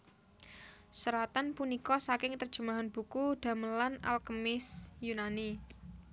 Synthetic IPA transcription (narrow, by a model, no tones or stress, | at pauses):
səɾat̪anpunikɔsakɪŋt̪ərd̥ʒ̥ṳmaɦanb̥ṳkuɖ̥a̤məlana̰lkəmɪsjunani